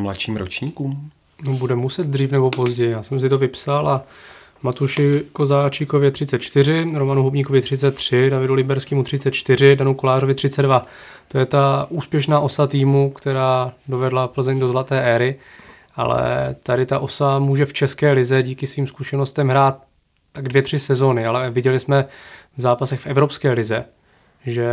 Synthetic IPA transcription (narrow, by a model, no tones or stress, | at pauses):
mla̰ʃiːmɾo̰t͡ʃɲiːkuːm | nobudɛmusɛd̪̚d̪riːfnɛbo̞po̞zɟɛjɪjaːsɛms̬ɪt̪o̞vɪpsalʔa | mat̪uʃɪko̞zaːt͡ʃiːko̞vjɛt̪r̥ɪt͡sɛt̪̚t͡ʃt̪ɪr̝ɪɾomanuɦobɲiːko̞vɪt̪rɪt͡sɛt̪ːr̝̥ɪdavɪdulɪbɛɾskiːmut̪rɪt͡sɛt̪̚t͡ʃt̪ɪɾɪdanuko̞laːrovɪt̪r̥ɪt͡sɛdva | t̪o̞jɛt̪aʔuːspjɛʃnaːʔo̞sat̪iːmukt̪ɛɾaːdo̞vɛdlapl̩zɛɲdo̞zlat̪ɛːʔɛːɾɪ | ʔa̰lɛ̰t̪adɪt̪aʔo̞samuːʒɛft͡ʃɛskɛːlɪzɛɟiːkɪsviːmskuʃɛno̞st̪ɛmɦɾaːt̪̚ | t̪ːaɡdvjɛt̪r̝̥ɪsɛzo̞nɪalɛvɪɟɛlɪsmɛvzaːpasɛxfɛvɾo̞pskɛːlɪzɛ | ʒɛ